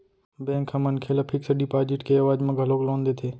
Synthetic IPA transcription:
bẽːŋkʰhɐmənkʰeːlapʰɪkseɖipaːd͡ʒɪʈkeɐʋaːd͡ʒmẽɡʱɐloːɡlõːnd̪eːt̪ʰeː

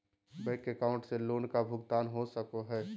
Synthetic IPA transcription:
bəɪkekãːʊ̃ɳʈseloːnkabʱʊɡt̪aːnɦosəkoɦɛː

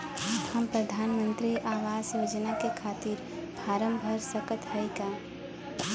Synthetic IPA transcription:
hɐmpɾɐd̪ʱaːnmə̃nt̪ɾiʔaːʋaːsjoːd͡ʒnakekʰaːt̪ɪɾ | bʱaːɾə̃mbʱəɾsɐkət̪ɦɐikaː

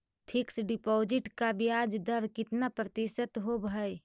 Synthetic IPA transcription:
pʰɪksɖɪpɔːd͡ʒɪʈkabʱiaːd͡ʒd̪əɾkɪt̪napɾət̪iʃət̪ɦobʱəj

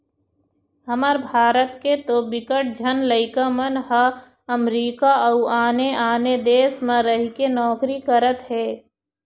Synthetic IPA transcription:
ɦəmaɾbʱaːɾət̪ket̪obɪkəʈ̚d͡ʒʱənləɪkamənɦə | əmɾiːkaəuaːneʔaːned̪eːsmə̃ɾəɦikenɔːkɾikəɾət̪ɦɛː

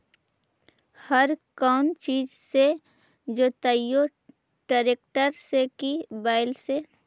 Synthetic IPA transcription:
həɾkaːʊnt͡ʃiːd͡ʒse | d͡ʒoːt̪əjo | ʈaːɾeːk̚ʈəɾsekibaːɪlse

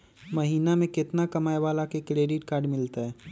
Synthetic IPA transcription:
mɐɦiːnamẽkɪt̪nakɐmaːeʋaːlakekɾeːɖɪʈkaːɾɖmɪlt̪aɦɛː

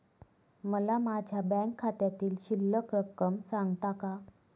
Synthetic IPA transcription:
məlamad͡ʑʱjabɛ̃ŋkʰːat̪jat̪iːlɕilːəkɾəkːəmsaŋɡt̪aka

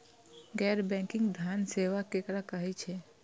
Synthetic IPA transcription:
ɡɛːɾbɛ̃kɪ̃ŋɡd̪ʱjaːnseːʋakekɾakəɦit͡ʃʰɛ

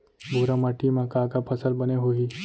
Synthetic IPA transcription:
bʱuɾamaʈːimãkaːkapʰɐsəlbəneɦoi

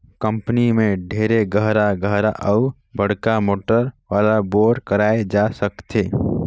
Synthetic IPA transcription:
kə̃mpənimẽɖʱeːɾeɡəɦɾaɡəɦɾaʔəʊ | bəɽ̤kamoːʈəɾwaːlaboːɖkəɾaːed͡ʒasəkt̪eː

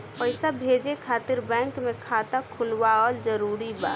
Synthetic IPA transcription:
pəɪsabʱed͡ʒekʰaːt̪ɪɾbɛ̃ŋkmekʰat̪akʰʊlwaəld͡ʒəɾuɾiba̰ːt̪

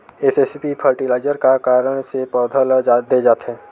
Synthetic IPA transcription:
esespipʰəɾʈilaːɪd͡ʒəɾkakaːɾəɽ̃sepɔːd̪ʱəld͡ʒad̪ed͡ʒaːt̪ɦɛ̃ː

